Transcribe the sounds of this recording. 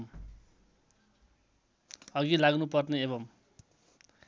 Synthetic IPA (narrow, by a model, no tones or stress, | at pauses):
m | ʌɡilaɡnupʌrneeβʌm